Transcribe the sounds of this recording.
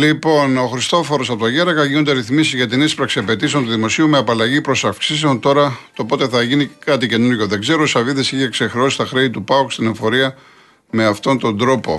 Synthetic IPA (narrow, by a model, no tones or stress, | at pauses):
lipo̞no̞xɾist̪o̞fo̞ɾo̞sɐpot̪oʝeɾɐɣɐʝinond̪eɾiθmisizʝɐt̪inispɾɐksiɐpe̞t̪iseo̞nt̪uðimo̞siume̞ɐpɐlɐʝipɾo̞sɐfksiseo̞nt̪o̞ɾɐt̪opo̞t̪e̞θɐʝinikɐt̪ice̞nuɾʝo̞ðe̞ɡze̞ɾosɐviðesiçekse̞xɾeo̞si̥st̪ɐxɾeit̪upɐokst̪ine̞ɱfo̞ɾiɐ | me̞ɐft̪o̞nt̪o̞nd̪ɾo̞po̞̰